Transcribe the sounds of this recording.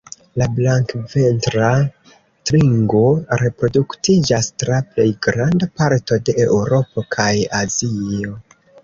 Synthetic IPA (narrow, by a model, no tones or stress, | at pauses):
lablaŋkve̞ntɾa | tɾiŋɡo̞ɾe̞pɾo̞duktid͡ʒastɾaple̞jɡɾandapaɾto̞de̞ʔewɾo̞po̞kʰajazio̞